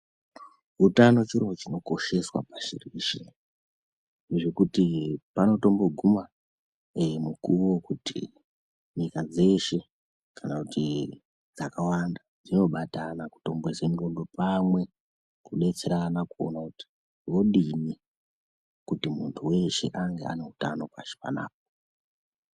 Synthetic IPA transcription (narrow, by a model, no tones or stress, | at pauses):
utano̞t͡ʃiroot͡ʃino̞ko̞ʃe̞swa̰paʃḭriʃe | neʐekutipano̞to̞mbo̞ɡʱuma | mukuwo̞kutḭ | ɲikad͡ze̞ʃe̞ | kʰanakuti | d͡zakawandad͡zino̞ɓatanaku̥to̞mbweseŋɡo̞ndo̞pamwe̞ | kuɗe̞t͡se̞ɾanakuo̰nakuti̥ | wo̞ɗine | kutimuntʰuwe̞ʃe̞̰ʔaŋɡe̞a̰ne̞utano̞pa̰ʃe̥pa̰na̰ːp̚o